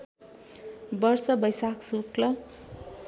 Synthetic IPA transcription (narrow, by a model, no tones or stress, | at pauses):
bʌrsʌbʌjsaksuklʌ